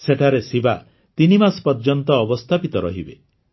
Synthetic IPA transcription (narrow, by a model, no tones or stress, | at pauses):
seʈʰaɾesiba̰ | t̪inimaspɔɾd͡ʒɔnt̪ɔːbɔst̪ʰapit̪ɔɾɔ̰ɦibe